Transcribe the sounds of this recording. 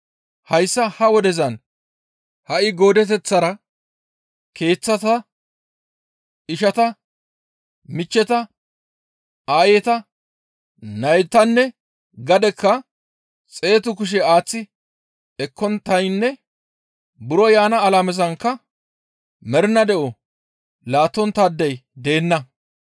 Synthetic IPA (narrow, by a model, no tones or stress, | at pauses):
hɐjsːɐhɐwɔd̪ɛzɐn | hɐʔɪɡo̞ːd̪ɛt̪̬ɛt͡sːɐɾɐ | ke̞ːt͡sːɐt̪ɐ | ɪʃɐt̪ɐ | mɪt͡ʃːɛt̪ɐ | aːjɛt̪ɐ | nɐjt̪ːɐnːɛ | ɡɐd̪ɛkːɐ | t͡sʼe̞ːt̪ʊkʊʃ̬ɛaːt͡sːɪ | ɛkːɔnt̪ɐjnːɛ | bʊɾɔjaːnɐːlamɛzɐŋkːɐ | mɛɾɪnɐd̪ɛʔɔ | laːt̪ːɔnt̪aːd̪ːɛjd̪e̞ːnːɐ